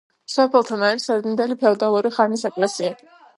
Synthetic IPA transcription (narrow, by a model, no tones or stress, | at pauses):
sɔpʰɛlˠt̪ʰanaɾisɛɾd̪ind̪ɛlipʰɛɔd̪alˠuɾiχanisɛkʼlɛsia